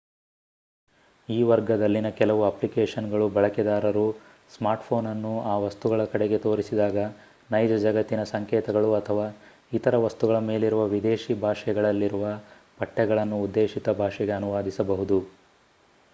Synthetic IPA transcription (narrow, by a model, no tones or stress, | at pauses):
iːʋɐɾɡɐd̪ɐlːinɐkɛlɐʋuɐplikeːʂɐnɡɐɭubɐɭɐkɛd̪aːɾɐɾu | smaːɾʈpʰo̞ːnɐnːuaːʋɐst̪uɡɐɭɐkɐɽeɡe̞t̪o̞ːɾisid̪aːɡɐ | nɐjd͡ʒɐd͡ʒɐɡɐt̪ːinɐsɐŋkɛːt̪ɐɡɐɭuɐt̪ʰɐʋaː | it̪ɐɾɐʋɐst̪uɡɐɭɐme̞ːliɾuʋɐʋid̪eːʃibʱaːʂɛɡɐɭɐlːiɾuʋɐ | pɐʈːɛɡɐɭɐnːuːd̪ːe̞ːʃit̪ɐbʱaːʂɛɡe̞ɐnuʋaːd̪isɐbɐɦud̪u